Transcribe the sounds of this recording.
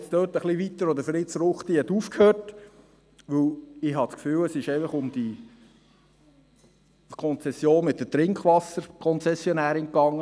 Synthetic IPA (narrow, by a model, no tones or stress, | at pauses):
t͡sd̥̪øːtəχliʋit̪əɾɔd̪əɾfɾit͡sɾʊχt̪iətufkhøːɾt | ʋɵlɪhɑt͡skfyːləsɪʃɛɪfəχʊmd̪i | kʰɔnt͡sɛsjoːnmɪt̪dət̪ɾɪŋkχʋɑsəɾkʰɔnt͡sɛsjɔnæːɾɪŋkːɑŋːə